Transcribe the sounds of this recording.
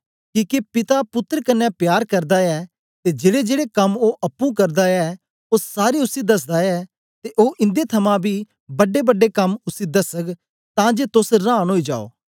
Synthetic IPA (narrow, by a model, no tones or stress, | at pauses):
kiːkepɪt̪apʊt̪ːəɾkɐnːɛpjaːɾkɐɾd̪aɛ | t̪ed͡ʒeːɽed͡ʒeːɽekɐmoʔɐpːũk̬ɐɾd̪aɛ | ossaːɾeʊsid̪ɐs̬d̪aɛ | t̪eʔoːʔɪ̃nd̪et̪ʰɐmãbʱi | bɐɖebɐɖːekɐmʊsid̪ɐsək | t̪ãːd͡ʒet̪ʊsɾãːnɦoːid͡ʒa̰ːo̰ː